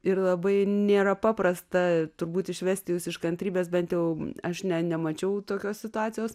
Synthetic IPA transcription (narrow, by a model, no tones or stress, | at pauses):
ɪɾlˠɐbɐɪnʲeːɾɐpɑːpɾɐst̪ɐt̪ʊɾbuːt̪ɪʃʲʋʲæːsʲt̪ʲɪjuːsɪʃkɐnt̪ʲɾʲiːbʲeːs̬bʲɛnt̪jɛʊɐʃnʲɛnʲɛmɐt͡ʃʲɛʊt̪oːkʲoːssʲɪt̪ʊɑːtt͡s̪ʲɪjoːs